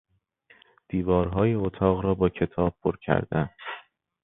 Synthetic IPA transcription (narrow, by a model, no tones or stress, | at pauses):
d̪̥iːvɒːɾɦɒːjeot̪ʰɒːɣɾɒːbɒːcʰe̞t̪ʰɒːb̚pʰːoɾcʰæ̰ɾd̪æn